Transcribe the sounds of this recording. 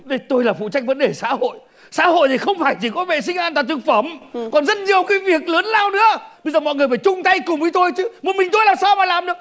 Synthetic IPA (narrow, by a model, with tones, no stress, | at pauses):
ɗə˧˩jt̪o˧jlaː˨˩fṵ˧˨t͡ɕa˧jŋ̟̚və̰˨˦nɗe˧˩sa̰ː˧˥ho̰˧˨j | sa̰ː˧˥ho̰˧˨jt̪ʰi˨˩xə˧wŋ͡mfaː˧˩jt͡ɕi˧˩kɔ˨˦vḛ˧˨sï˧ŋ̟ʔaː˧nt̪a̰ː˧˨˩t̪ɨ˨˩k̚fə˧˩mkɔ˨˩nzə˦˥t̚ɲi˨˩əwkaː˨˦jvi˨˩ək̚lə˨˦nlaː˧wnɨ̰˧˥əɓə˧zəː˨˩mɔ̰˧˨jŋɨ˨˩əjfaː˧˩jt͡ɕʊ˧ŋ͡mt̪a˧jkʊ˨˩ŋ͡mvi˨˦t̪o˧jt͡ɕɨ˨˦mo˨˩t̚mï˨˩ŋt̪o˧jlaː˨˩msaː˧wmaː˨˩laː˨˩mɗɨ̰˨˩ək̚